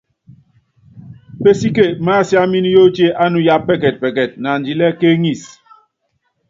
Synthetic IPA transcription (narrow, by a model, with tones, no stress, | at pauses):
pe˦si˦ke˦˨ma˦˨sja˦mi˦n˦jo˦t͡ʃe˦ʔa˦nu˦ja˦ppːɛ˦kɛ˨t̚pɛ˨kɛ˨t̚na˨n̩˨d͡ʒi˨lɛ˦ke˦ŋi˦˨s